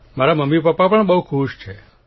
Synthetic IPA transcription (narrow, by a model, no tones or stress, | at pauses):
maɾaməmːipapːapəɳbəɦukʰuʃt͡ʃʰe